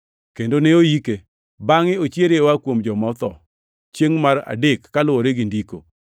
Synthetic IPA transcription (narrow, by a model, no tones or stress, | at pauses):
kendoneojike | baŋɪot͡ʃjeɾewakwomd͡ʒɔmɔt̪ɔ | t͡ʃjeŋmara̰dekːalʊwɔɾeɡɪndiko̰